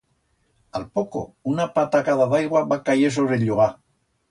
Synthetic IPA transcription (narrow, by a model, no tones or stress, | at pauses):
alpoko̰unapat̪akaðaðajɣwaβakajes̬oβɾeʎoɣa